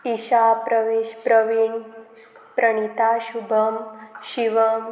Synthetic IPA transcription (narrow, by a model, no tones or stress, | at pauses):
iʃapɾəʋeʃpɾəʋiɳ | pɾɐɳ̃it̪aʃubʱɐmʃiʋɐm